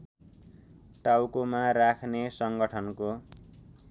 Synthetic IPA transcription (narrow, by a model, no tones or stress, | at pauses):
ʈawkomarakʰnesʌŋɡʌʈʰʌnko